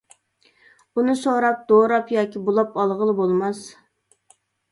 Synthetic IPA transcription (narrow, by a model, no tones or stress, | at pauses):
bunɨsoɾɑp̚d̪̥oɾɑpjɑːkʲibolˠɑpɑlˠʁəlˠɨbolˠmɑs